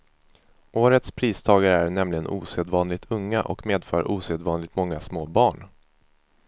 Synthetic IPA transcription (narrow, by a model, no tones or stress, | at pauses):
ʔoːɾət̪spʰɾiːst̪ʰɑːɡaɾəæɾnɛmlɪɡənʔṵːseːd̪vɑːnlɪɡ̚t̪ʰɵŋːaʔɔ̰kmeːd̪fœːɾʔuːseːd̪vɑːnlɪɡ̚t̪mɔŋːasmoːbɑːɳ